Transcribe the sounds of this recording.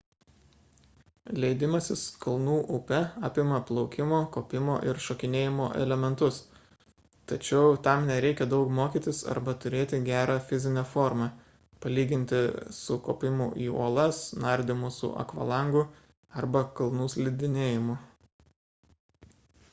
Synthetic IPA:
lʲɛɪd̪ʲɪmɐsʲɪskɐlˠnuːʔʊpʲɛɑːpʲɪmɐplˠɒʊkʲɪmoːkoːpʲɪmoːʔɪɾʃoːkʲɪnʲeːjɪmo̰ːʔɛ̰lʲɛmʲɛnt̪ʊs | t̪ɐt͡ʃʲɛʊt̪ɐmnʲɛɾʲɛɪkʲɛd̪ɒʊkmoːkʲiːt̪ʲɪsɐ̰ɾbɐt̪ʊɾʲeːt̪ʲɪɡʲæːɾɑːfʲɪzʲɪnʲɛfoːɾmɐ | pɐlʲiːɡʲɪnʲt̪ʲɪsʊkoːpʲɪmʊʔḭːo̰ːlˠɐsnɐɾʲd̪ʲɪmʊsʊ̰ʔɐ̰kʋɐ̰lˠɐŋɡʊ | ɐɾbɐkɐlˠnuːsʲlʲɪd̪ʲɪnʲeːjɪmʊ

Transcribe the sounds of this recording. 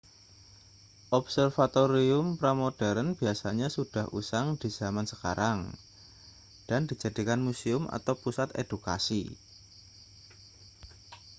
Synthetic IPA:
ʔɔpsərfat̪oɾiʊmpɾamod̥ɛɾənb̥iasaɲasud̥a̤hʔṵsaŋd̥iz̥amansəkaɾaŋ | d̥andi̤d͡ʒa̤dikanmusiʊmʔa̰t̪awpusat̪ḛd̥uka̰sḭ

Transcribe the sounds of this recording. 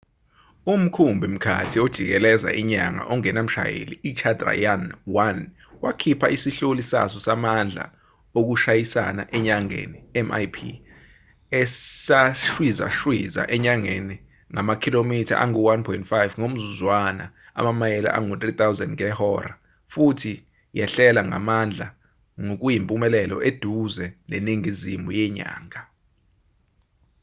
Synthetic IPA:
um̩kʰumbʱim̩kʰa̰tʰiod̥ʒ̥ʱik̬ɛlɛza̰ʔiɲaŋa̰ʔɔŋɛnam̩ʃa̰jḛlḭːt͡ʃʰadra̰janwan | wakʰipʰaʔisiɬolisa̰s̬ɔsamand͡ɮʱa̰ | ok̬uʃajisa̰na̰ʔɛɲaŋḛniɛma̰jpʰḭ | ɛsaʃwiza̰ʃwiza̰ʔɛɲaŋeni | ŋamakʰilomitʰa̰ʔaŋuwanpʰɔintfajvŋom̩zuzwana̰ | a̰mamajɛla̰ʔaŋut̪rit̪awzɛ̰ndŋɛhɔra | futʰi | jɛɬɛlaŋa̰mand͡ɮʱa | ŋok̬ujimpʼumɛlɛlɔ̰ʔed̥ʱuzɛneniŋizimʱujɛɲa̰ːŋa

